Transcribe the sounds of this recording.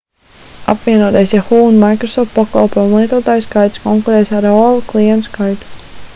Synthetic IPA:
a̰pvʲiɛnuɔt̪ajsjaxuunmajkɾɔsɔft̪̚paka̰lˠpojumlˠiɛt̪uɔt̪aːjskajt̪skɔŋkuɾɛːjsaɾɔlˠklˠijɛnt̪skajt̪u̥

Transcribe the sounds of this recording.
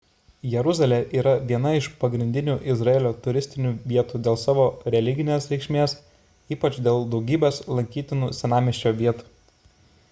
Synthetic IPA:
jɛɾʊzɐlʲeːʔiːɾɐʋʲiɛnɐɪʃpɐɡɾʲɪnʲd̪ʲɪnʲuːʔɪzɾɐeːlʲoːt̪ʊɾʲɪsʲt̪ʲɪnʲuːʋʲiɛt̪uːd̪ʲeːlˠsɑːʋoːɾʲɛlʲɪɡʲɪnʲeːsɾʲɛɪkʃʲmʲeːs | iːpɐt͡ʃd̪ʲeːlˠd̪ɒʊɡʲiːbʲeːslˠɐŋʲkʲiːt̪ʲɪnuːsʲɛnɑːmʲɪʃʲt͡ʃʲoːʋʲiɛt̪u̥ː

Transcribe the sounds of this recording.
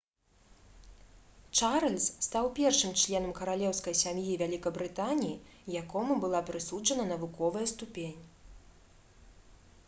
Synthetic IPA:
t͡ʂaɾɐlʲsst̪awpʲɛrʂɨmt͡ʂlʲɛn̪ɐmkɐɾalʲɛwskɐjsʲamjivʲalʲikɐbɾɨt̪anʲiji | jakɔmubɨlˠapɾɨsud͡ʐɐnɐnɐvukɔvɐjɐst̪upʲenʲ

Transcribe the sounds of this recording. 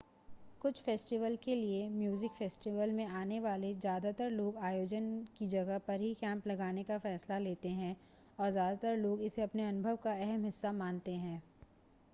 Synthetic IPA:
kʊt͡ʃʰfeːsʈɪʋəlkeliemjuːzɪkfeːsʈɪʋəlmẽaːneʋaːlezjaːd̪at̪əɾloːɡaːjoːd͡ʒənkid͡ʒɐɡəpɐɾɦikɛ̃ːmplɐɡaːnekafɛːslaleːt̪eɦɛ̃ | ɔːɾzjaːd̪at̪əɾloːɡɪseɐpneɐnʊbʱəʋkaɛɦɛmɦɪsːamãːnt̪eɦɛ̃ː

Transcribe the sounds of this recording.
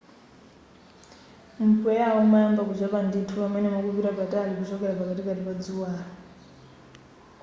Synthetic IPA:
m̩pwɛjaɔmaambakuzʷapanditʰupamɛnɛmɔkubiɾapatalikut͡ʃɔkɛɾapakatikatipad͡zuwaːɾɔ

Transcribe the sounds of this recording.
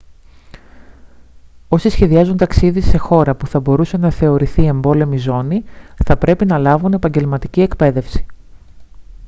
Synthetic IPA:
o̞sisçe̞ðiɐzunt̪ɐksiðise̞xo̞ɾɐpuθɐbo̞ɾuse̞nɐθe̞o̞ɾiθie̞mbo̞le̞mizo̞niθɐpɾe̞pinɐlɐvune̞pɐɲɟe̞lmɐt̪icie̞kpe̞ðe̞fsi̥

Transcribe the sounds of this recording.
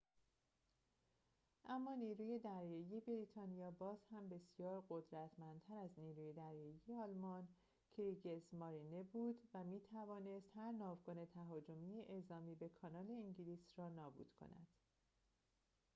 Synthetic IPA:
ʔæmːɒːniːɾuːje̞d̪æɾjɒːije̞beɾiːt̪ʰɒːnijɒːbɒːzhæmbe̞sijɒːɾɢo̞d̪ɾæt̪ʰmænt̪ʰæɾæzniːɾuːje̞d̪æɾjɒːijeɒːlmɒːn | kʰeɾiɡezmɒɾinebuːd̪væmiːt̪ʰævɒːne̞st̪hæɾnɒːvɡone̞t̪ʰæɦɒːd͡ʒomiːeʔezɒːmiːbe̞kʰɒːnɒːle̞iŋɟiliːsrɒːnɒːbṵːd̪̥kʰo̰næ̰d̪̥

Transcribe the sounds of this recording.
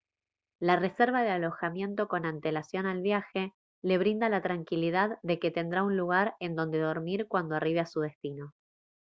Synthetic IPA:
lare̞seɾβaðealo̞xamje̞nt̪o̞ko̞nant̪e̞lasjo̞nalβjaxe̞ | le̞β̞ɾind̪alat̪ɾaŋkiliðaððe̞ke̞t̪e̞nd̪ɾaunluɣ̞aɾe̞nd̪o̞nd̪eð̞o̞ɾmiɾkwand̪oariβeasuðe̞st̪ino̞

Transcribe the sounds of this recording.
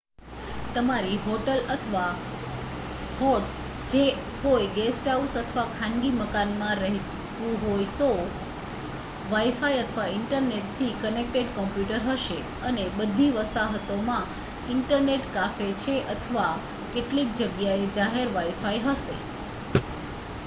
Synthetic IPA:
t̪əmaɾiɦoʈələt̪ʰʋa | hoʈs | d͡ʒe | ɦojɡesʈausət̪ʰəʋakʰãŋɡiməkanmãɾəɦi | t̪ũɦojt̪o | ʋajfajət̪ʰʋaɪɳʈəɾneʈt̪ʰikənek̚ʈeɖkɔmpjuʈəɾɦəʃe | ənebəd̪ʱːiʋəst̪aɦət̪omã | ɪɳʈəɾneʈkafet͡ʃʰeʔət̪ʰəʋa | keʈlik̚d͡ʒəɡjaed͡ʒaɦeɾʋaifajɦəʃḛ

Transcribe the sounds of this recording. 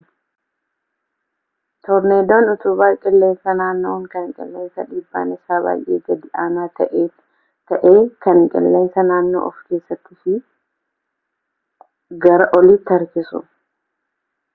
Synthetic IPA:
t̪ɔɾneːd̪oːnʊt̪ʊbaːkʼɪlːe̞ːnsɐnaːnːo̰ːŋkɐŋkʼɪ̰lːe̞ːnsɐᶑiːbːa̰ːnɪsaːba̰ːjʔe̞̰ːɡɐd̪ɪʔaːnaːt̪ɐʔe | t̪ɐʔeːkɐŋkʼɪ̰lːe̞ːnsɐnaːnːo̰ːʔɔfkeːsːɐt̪ːɪfɪ | ɡɐɾɐʔɔliːt̪ːɐɾkɪsʊ̰

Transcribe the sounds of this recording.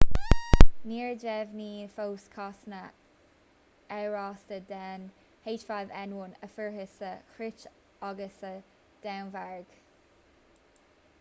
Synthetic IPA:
niːɹdɛvniːfowskʰɑsnə | ɛɹɑstəd̪ɛːn | heːt͡ʃfavɛnwʊnəfəɹhəsəxɾɪt͡ʃ | ɔɡəsə | d̪̥ɛwnvaɹɡ̥

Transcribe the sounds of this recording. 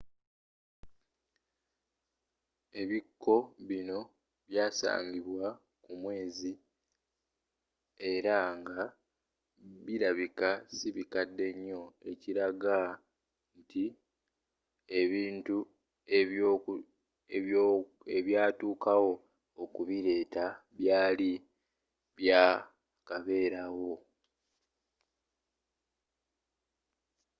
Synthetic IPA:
e̞βikːo̞βino̞ | βjaːsa̰ːɲɡiβwa | kumwe̞ːzi | e̞ɾaŋɡa | βiɾaβikasiβikadːe̞ɲːo̞e̞ciɾaɡa | nti | e̞βiːntu | eβo | e | e̞βjaːtuːkawo̞ | okuβiɾe̞ːtaβjaːli | βjaː | kaβe̞ːɾawo

